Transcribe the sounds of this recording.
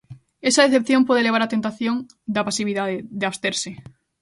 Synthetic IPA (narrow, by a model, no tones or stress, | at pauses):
esaðeθep̚θjõmpoð̞eleβ̞aɾat̪ent̪aθjõŋ | d̪apasiβ̞iðaðeðeaβst̪eɾse